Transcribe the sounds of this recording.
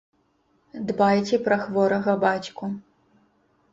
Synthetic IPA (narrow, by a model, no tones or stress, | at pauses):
d̪bajt͡sʲɛpɾɐxvɔɾɐɣɐbat͡sʲku